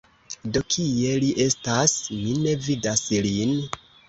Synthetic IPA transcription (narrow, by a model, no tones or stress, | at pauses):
do̞kʰije̞liʔe̞stasmine̞vidaslin